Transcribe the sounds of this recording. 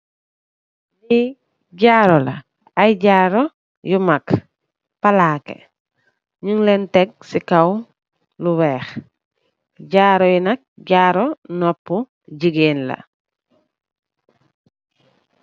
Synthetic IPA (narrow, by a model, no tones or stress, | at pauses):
li | ɟaːɾɔla̰ | ajɟaːɾɔ | jumak | palaːkḛ | ɲuŋlɛntɛɡ̚sikaw | luwɛːx | ɟaːɾɔjinak̚ɟaːɾɔnɔpːu | ɟiɡeːnla̰